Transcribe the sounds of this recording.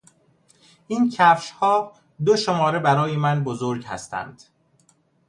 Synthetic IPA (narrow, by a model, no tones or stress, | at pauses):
ʔiːncʰæfʃhɒː | d̪oʃomɒːɾe̞bæɾɒːje̞mænbozo̞ɾɟhæ̰st̪ʰæ̰nd̪̥